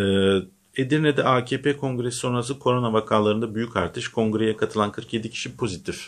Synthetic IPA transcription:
ɛː | ed̪iɾnɛd̪ɛaːcʰeːpʰeːkʰo̞ŋɡɾesiso̞nɾas̬ɯkʰo̞ɾo̞navakʰaːlˠaɾɯnd̪abyjycʰaɾt̪ʰɯʃkʰo̞ŋɡɾe̞jɛkʰat̪ʰɯlˠankʰɯɾkje̞d̪icʰi̥ʃipʰo̞zit̪ʰif

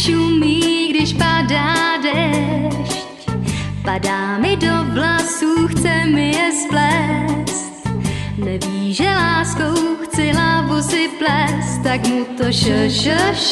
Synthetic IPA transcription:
ʃuːmiːɡdɪʃpadaːdɛʃcpadaːmɪdo̞vlasuːxt͡sɛmɪjɛsplɛst̪nɛviːʒɛlaːskowxt͡sɪlabusɪplɛst̪t̪akmut̪oʃəʃəʃ

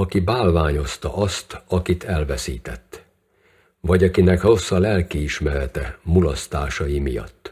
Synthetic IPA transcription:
ɒkibaːlvaːɲo̞st̪ɒ̰ʔɒst̪ɒkit̪ɛlvɛsiːt̪ɛt̪ː | vɒɟɒkinɛkro̞sːɒlɛlkiːʃmɛɾɛt̪ɛmulɒst̪aːʃɒjimijɒ̰t̪ː

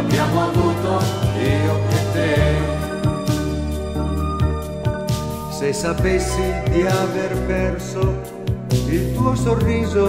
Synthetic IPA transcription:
bjamoavuːt̪od̪ioet̪e | sesapesːid̪iaverpɛrso | ilt̪uosorːiːzo

